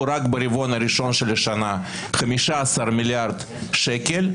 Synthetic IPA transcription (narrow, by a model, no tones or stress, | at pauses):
ɾakbeɾivo̞naɾiʃo̞nʃeleʃana | χamiʃaːsarmʲiljaɾd̪ | ʃekel